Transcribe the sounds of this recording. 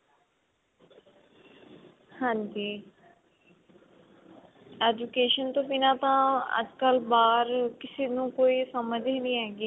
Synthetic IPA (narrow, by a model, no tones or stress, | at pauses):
hãːɲd͡ʒiː | ɛːd͡ʒukeːʃənt̪õːpinãːt̪ãːə̰d͡ʒkəlbaːɾkɪseːnũːkoːiːsəməd͡ʒeːnĩːɦɛːɡiː